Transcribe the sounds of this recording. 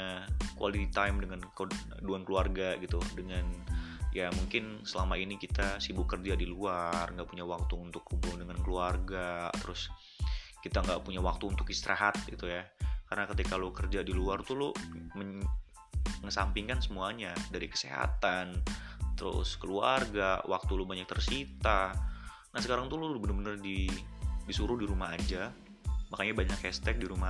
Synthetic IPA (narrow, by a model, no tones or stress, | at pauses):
akuwa̰lit̪it̪ajmdəŋank | duankəluarɡaɡit̪udəŋanjamuŋkɪnsəlamainikit̪asibʊkərd͡ʒadiluarŋɡaʔpuɲawak̚t̪uːnt̪ʊkhubʊŋdəŋankəluarɡat̪əɾʊs | kit̪aŋɡaʔpuɲawak̚t̪uːnt̪ʊk̚ist̪əɾʔa̰ɦat̪̚ɡit̪ujakaɾənakət̪ikalokərd͡ʒadiluart̪ulʊməɲ | ŋəsampiŋkansəmuaɲadaɾikə̥sḛɦa̰t̪ant̪əɾʊ̰skəluarɡawak̚t̪ulʊbaɲak̚t̪ərsit̪a | nasəkaɾaŋt̪ulʊbənərbənərdidisuɾʊdiɾumaɦad͡ʒa | makaɲabaɲakhɛst̪ɛk̚diɾuma